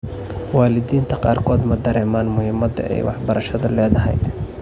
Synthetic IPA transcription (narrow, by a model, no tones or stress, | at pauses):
wɑːlɪðiːnt̪ʰɐqɑːrkʰɔːd̪mɐd̪ɐɾɛːmaːnmʊhɪmɐd̪ɐ̰ʔɛ̰jwɑħbɐɾɐʃɐðʊlɛːðɐɦɛ̰j